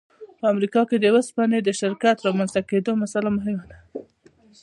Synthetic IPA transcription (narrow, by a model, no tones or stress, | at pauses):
pəamɾikɑked̪əwəspɑned̪əʃɪɾkat̪ɾɑmanz̥t̪aked̪omasalamʊɦɪmad̪a